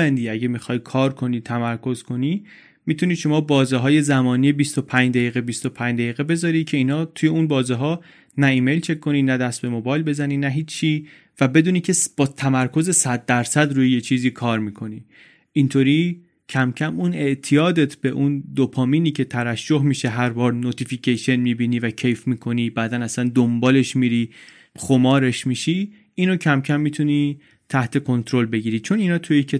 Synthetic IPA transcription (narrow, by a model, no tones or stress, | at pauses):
ænd̪iæɟemixɒːjkʰɒːɾkʰo̞niːt̪ʰæmæɾkʰo̞zkʰo̞niː | mit̪ʰuniːʃo̞mɒːbɒːziɦɒːje̞zæmɒːnijebist̪o̞pʰæɲd͡ʒd̪æjiːɣebist̪o̞pʰæɲd͡ʒd̪æjiːɣe̞be̞zɒːɾid̪̚cʰe̞iːnhɒːt̪ʰuːje̞unbɒːziɦɒː | næiːme̞jlt͡ʃʰe̞kʰːo̞niːnæd̪æst̪̚be̞mo̞bɒːjlbe̞zæninæɦiːt͡ʃʰːiː | væbe̞d̪uːniːcʰe̞b̥ɒːt̪ʰæmæɾkʰo̞ze̞sæd̪̚ːæɾsæd̪ɾuːjeje̞t͡ʃʰiːziːkʰɒːɾmiːkʰo̞niː | ʔint̪ʰoɾiː | cʰæmcʰæmune̞ʔt̪ʰijɒːd̪et̪ʰb̥e̞ʔund̪opʰɒːmiːniːcʰe̞t̪ʰæɾæʃd͡ʒoɦmiːʃe̞ɦæɾbɒːɾnot̪ʰificʰejʃe̞nmiːbiniːvæcʰejfmiːkʰo̞nibæːd̪ænæsænd̪ombɒːle̞ʃmiːɾi | xomɒːɾe̞ʃmiʃi | inocʰæmcʰæmːit̪ʰuni | t̪ʰæht̪ʰe̞kʰo̞nt̪ʰɾo̞lbe̞ɟiːɾiːt͡ʃʰo̞ninɒːt̪ʰujecʰe